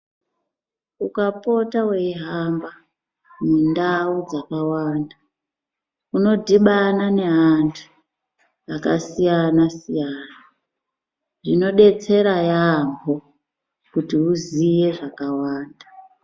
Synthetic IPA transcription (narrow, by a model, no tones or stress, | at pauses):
ukapo̞tawe̞ɦamba | mendaud͡zakawaːnda | uno̞dʱiɓanane̞ɦantʰu̥ | akasijanasijaːna | ʐino̞ɗe̞t͡se̞ɾajambʱo | kutiuzije̞ʐakawaːnda